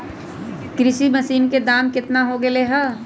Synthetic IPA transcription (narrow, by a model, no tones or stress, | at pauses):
kɾɪʃimɐsiːnked̪aːmkɪt̪naɦoɡeleɦɐ